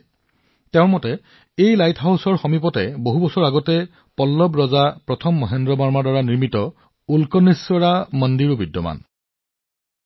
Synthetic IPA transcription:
tɛ̃ʊ̃ɹmɔtɛ | ejlajtʰɦawsɔɹxɔmip̬ɔtɛboɦubɔsɔɹaɡɔtɛ | pɔlːɔbɹɔzapɹɔtʰɔmːɔɦendɹɔbaɹmaɹdaɹaniɹmitɔ | ulkɔnesɔɹamɔndiɹubidːɔma̰n

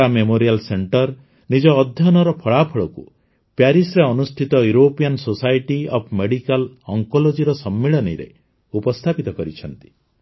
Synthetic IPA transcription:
amemoɾialseɳʈɔɾ | nid͡ʒɔːd̪ʱjɔnɔɾɔpʰɔɭapʰɔɭɔkṵ | pjaɾisɾeɔnust̪ʰit̪ɔjuɾopijansosajʈiɔbʰmeɽikalɔŋkɔlod͡ʒiɾɔsɔmːiɭɔnḭɾḛ | upɔst̪ʰapit̪ɔkɔɾit͡ʃʰɔnt̪i̥

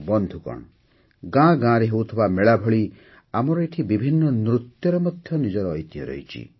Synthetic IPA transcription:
bɔnd̪ʱukɔ̰ɳ̃ | ɡãɡãɾeɦewt̪ʰibameɭabʱɔɭi | amɔɾɔeʈʰibibʱinːɔnɾut̪jɔɾɔmɔd̪ʱjɔnid͡ʒɔɾɔːjt̪jɔ̰ɾɔ̰jt͡ʃʰḭ

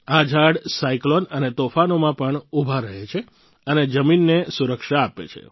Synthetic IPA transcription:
ad͡ʒʱaɽsaiklonənet̪ofanomãpəɳubʱaɾəɦet͡ʃʰe | əned͡ʒəminːesuɾəkʃaːpḛt͡ʃʰḛ

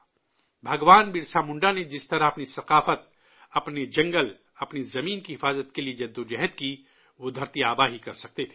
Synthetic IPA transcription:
bʱɐɡʋaːnbɪɾsaːmʊ̃ɳɖaned͡ʒɪst̪ɐɾaɐpnisɐqaːfət̪̚ | ɐpned͡ʒɐ̃ŋɡəl | ɐpnizɐmiːnkiɦɪfaːzət̪kelied͡ʒɐd̪ːod͡ʒɛɦt̪ki | ʋod̪ʱɐɾt̪iaːbaɦikɐɾsɐk̚t̪et̪ʰe̥ː

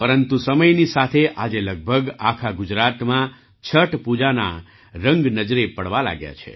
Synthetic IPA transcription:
pəɾənt̪usəməjnisat̪ʰeʔad͡ʒeləɡ̚bʱəɡakʰaɡʊd͡ʒɾat̪mã | t͡ʃʰəʈpud͡ʒana̰ | ɾə̃ŋɡnəd͡ʒɾepəɽʋala̰ɡja̰t͡ʃʰḛ

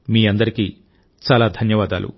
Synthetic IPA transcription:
miːɐnd̪ɐɾiki | t͡ʃaːlaːd̪ʱɐnjɐʋaːd̪a̰ːlṵ

